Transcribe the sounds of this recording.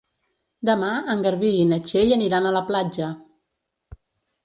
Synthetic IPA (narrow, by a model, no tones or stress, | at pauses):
d̪əmaəŋɡəɾβiːnət͡ʃeʎəniɾanələplad͡ʒə